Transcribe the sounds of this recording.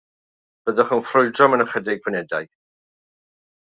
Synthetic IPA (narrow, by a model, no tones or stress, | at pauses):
b̥əðɔχənfrʊɨdrɔmənəχədɪɡvənɛdajɡ̥